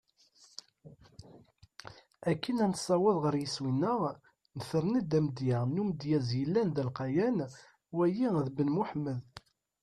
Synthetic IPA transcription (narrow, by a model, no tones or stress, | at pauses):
ækːənænsˤːɑwəðˤʁəɾjəswinːəʁ | nəθəɾˤnid̪æməd̪jænumd̪jæzjəlːænðælqɑjæn | wæjiðbənmuħməð